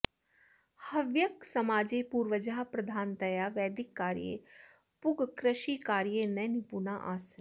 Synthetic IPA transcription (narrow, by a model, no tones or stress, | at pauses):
hɐʋjəksɐmaːd͡ʒeːpuːɾʋəd͡ʒaːɦpɾɐd̪ʱaːnt̪ɐjaːʋɛːd̪ɪkːaːɾijḛ | pʊɡkɾəʃikaːɾijenɛnɪpuːnaʔa̰ːs